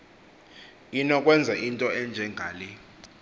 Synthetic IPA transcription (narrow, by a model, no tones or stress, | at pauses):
inɔkʼwɛnd͡zʱaʔintʼɔɛnd͡ʒʱɛŋɡʱaːli